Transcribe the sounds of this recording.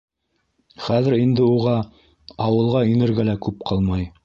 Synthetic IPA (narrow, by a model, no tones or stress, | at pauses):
χæðɘ̆ɾind̪ɘuʁɑ | ɑwɤ̆lˠʁɑinɘ̆ɾɡælækʉp̚qʰɑlˠmɑj